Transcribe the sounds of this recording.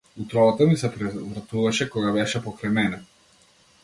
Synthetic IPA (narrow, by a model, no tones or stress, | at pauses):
ut̪ɾɔvat̪amisɛpɾɛvɾat̪uvaʃɛkɔɡabɛʃɛpɔkɾajmɛnɛ